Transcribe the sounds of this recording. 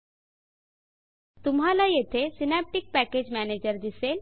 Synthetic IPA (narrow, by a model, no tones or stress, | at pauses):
t̪umɦalajet̪ʰesinæp̚ʈik̚pæked͡ʑmæned͡ʑəɾd̪isel